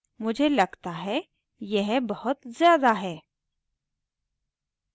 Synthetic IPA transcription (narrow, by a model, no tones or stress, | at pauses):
mʊd͡ʒʱelɐɡt̪aɦɛ | jɛɦbɐhʊt̪zjaːd̪aɦɛː